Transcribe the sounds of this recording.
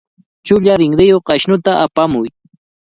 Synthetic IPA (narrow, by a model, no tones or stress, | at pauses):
t͡ʃʊʎaɾɪŋɾɪjoqaʃnʊt̪aʔapamʊj